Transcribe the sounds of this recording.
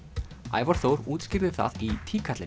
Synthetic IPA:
a̰ːjvaɾ̥θowɾuːt̪scɪɾvɪθa̰ðit̪ʰiːkʰat̪lɪ

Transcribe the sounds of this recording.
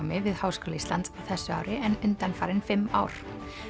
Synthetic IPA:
mɪvɪðhawskɔːlaist̪ant̪sawθɛsːʏa̰ːwɾɪɛnʏnt̪anfaːɾɪnfɪmːa̰ːwɾ̥

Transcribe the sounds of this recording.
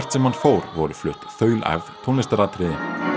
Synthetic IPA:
ɛr̥t̪sɛmhanfowɾvɔɾʏflʏht̪θœːɥlɛ̰vt̪ʰɔnɪst̪aɾat̪ʰɾɪðɪ

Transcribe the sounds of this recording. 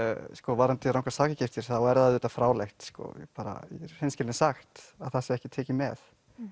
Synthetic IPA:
skɔvaɾant̪ɪɾawŋkasaːcɪcɪft̪ɪɾ̥θawɛɾðaðʏːt̪afɾaːwlext̪skɔ̰paːɾa̰ḭhejnscɪlnɪsaxt̪aðθasɪɛhcɪt̪ʰɛːcɪmɛ̰θ

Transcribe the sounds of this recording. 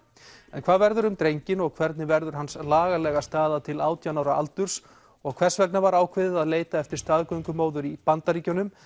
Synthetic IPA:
ɛnkʰvaːðvɛɾðʏɾʏmt̪ɾejɲcɪnɔɣkʰvɛɾt̪nɪvɛɾðʏɾ̥ɦanslaːɣalɛɣast̪aːðat̪ʰɪlaːwt̪janaːwɾaʔa̰lt̪ʏɾ̥s | ɔɣkʰvɛrsvɛknavaɾaːwkʰvɪðɪðaðleːjt̪aɛft̪ɪɾ̥st̪aːðkœŋkʏmoːwðʏɾipant̪aɾiːcɔnʏm

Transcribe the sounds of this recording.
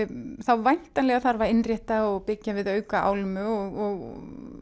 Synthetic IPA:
θawvajn̥t̪anlɛɣaθaɾvaɾɪnrjɛht̪aɔɣpɪcːavɪðœːɥkaa̰ːwlmʏɔɣɔɣ

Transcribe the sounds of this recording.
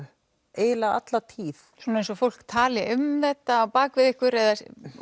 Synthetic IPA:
eːjlaa̰t̪lat̪ʰiːθ | sunaejnsɔfowl̥kt̪ʰaːljɪʔʏmθɛt̪ːaːpaːkvɪðɪhkʏɾɛða

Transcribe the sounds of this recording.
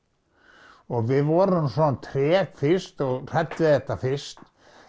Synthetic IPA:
ɔɣvɪðvɔːɾʏmsɔnt̪ʰɾɛːkfɪ̥st̪ɔɣr̥ɛt̪vɪθɛht̪ːafɪst̪

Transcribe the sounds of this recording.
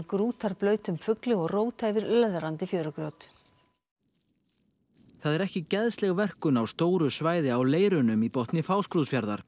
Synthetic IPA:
kɾuːt̪aɾ̥plœːɥt̪ʏmfʏklɪɣɔɣroːwt̪ʰajvɪɾlɛðɾant̪ɪfjœːɾʏkɾjowt̪ | θaðɛɾɛhcɪcɛðst̪lɛɣvɛr̥kʏnawst̪oːwɾʏsvaːjðɪawleːjɾʏnʏmipɔht̪nɪfaːwskɾuðfjaɾða̰ɾ̥

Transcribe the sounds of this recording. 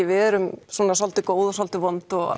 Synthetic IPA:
vɪɛɾʏmsɔːnasɔlt̪ɪkoːwðɔsɔlt̪ɪvɔnt̪ɔɣ

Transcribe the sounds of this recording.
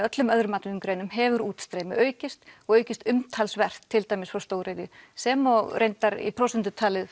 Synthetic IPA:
œt̪lʏmœðɾʏmaːt̪ʏnʏmkɾeːjnʏmɦɛvʏɾuːt̪st̪ɾeːjmɪ̰ʔœːɥcɪst̪ɔɣœːɥcɪst̪ʏmt̪ʰalsvɛr̥t̪ʰːɪlt̪aːjmɪsfɾawst̪oːwɾejðɪsɛmɔɣɾʔejnt̪aɾḭpʰɾɔwsɛnt̪ʏt̪ʰaːlɪð

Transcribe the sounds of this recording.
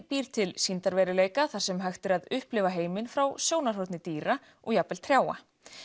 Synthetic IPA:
piːɾ̥t̪ʰɪlsint̪aɾvɛɾɪleːjkaθaɾ̥sɛmɦaxt̪ɪɾaðʏhplɪvaɦeːjmɪnfɾawsjoːwnar̥hot̪nɪt̪iːɾa | ɔɣjapɛl̥t̪ʰɾ̥jaːwa̰

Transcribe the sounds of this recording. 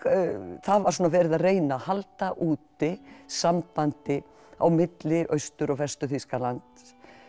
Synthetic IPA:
θaðvaɾ̥suːnavɛːɾɪðaðreːjnahalt̪aʔuːt̪ɪsampant̪ɪ | a̰wmɪt̪lɪʔœɥst̪ʏɾɔɣvɛst̪ʏθiskalant̪

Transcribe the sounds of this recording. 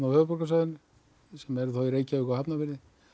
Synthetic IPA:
nawhœːvʏpɔɾkasœðʏnʏ | sɛmɛɾθoiɾeːjcaʏkawhapnavɪɾðɪ

